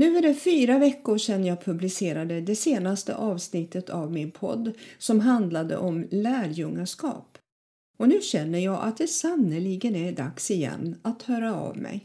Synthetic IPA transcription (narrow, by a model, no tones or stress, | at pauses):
nʉ̟ːɛɖɛfyːɾavɛkːʊɾʂɛnːəjɑːpʰɵblɪseːɾad̪əd̪ɛseːnast̪ə̰ʔɑːvsnɪt̪ːət̪ʰavmɪnpʰɔ̰d̪ːsɔmɦand̪lad̪ə̰ʔɔmlæːɾjɵŋːaʂkɑ̰ːp | ɔnʉ̟ːɕɛnːəjɑːʔa̰t̪̚d̪ɛsanːəliɡənæɖa̰ksɪjɛ̰nːat̪hœːɾaa̰vmɛ̰j